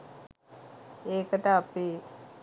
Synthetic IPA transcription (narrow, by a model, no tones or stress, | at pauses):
eːkəʈəapeː